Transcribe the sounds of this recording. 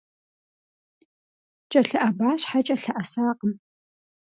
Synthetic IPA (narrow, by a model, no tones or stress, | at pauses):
t͡ʃʼɐɬɐʔɐbaːɕħat͡ʃʼɐɬɐʔɐsaːqəm